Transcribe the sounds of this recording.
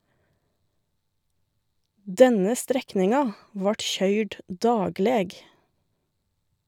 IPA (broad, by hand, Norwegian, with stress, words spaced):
ˈdɛnə ˈstɾɛknɪŋɑ ˈʋɑːʈ ˈçœʏɖ ˈdɑːɡleːɡ